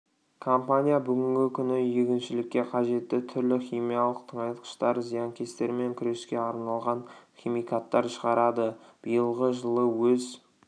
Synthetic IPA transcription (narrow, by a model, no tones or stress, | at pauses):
kʰompanʲijabʏɡʲɪŋɡʲɪkʲʰʏnɪjekʲɪnʃɪlɪkʲːe̞qʰɑʒe̞t̪ːɪt̪ʰʏɾlɪχʲimijalˠəqt̪ʰəɴɑjt̪qə̥ʃt̪ɑɾzijɑŋkʲʰest̪e̞ɾme̞ŋkʲʰʏɾe̞skʲe̞ɑɾnɑlˠʁɑnχʲimijkat̪ːɑɾʃəʁɑɾɑd̪əb̥ijəlˠʁəʒəlˠəwɵz